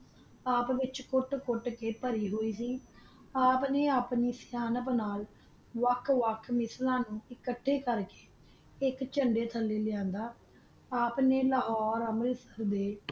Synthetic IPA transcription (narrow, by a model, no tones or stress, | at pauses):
aːpʋɪt͡ʃkʊʈkʊʈkeːpəɾiːɦoːiːsiː | aːpneːaːpniːsjaːnəpnaːl | ʋəkʰʋəkʰmɪslãːnũːɪkəʈʰːeːkəɾke̥ː | ɪkt͡ʃəɳɖeːt̪ʰəlːeːlɪjãːnd̪aː | aːpneːləɦɔːɾəməlsəɾd̪eː